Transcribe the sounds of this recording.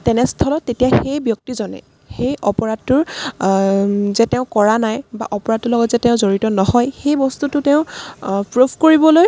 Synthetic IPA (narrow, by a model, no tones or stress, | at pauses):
tɛnɛstʰɔlɔtːetijaxejbjɔk̚tizɔnɛ̰ | xejʔɔpɔɹad̚tːʊɹ | zɛtɛʊ̃kɔɹanajba̰ʔɔpɔɹadʊlɔɡɔtzɛtɛʊ̃zoɹitɔnɔɦɔjxejbɔstutʊteʊ̃pɹupʰkoɹibɔloj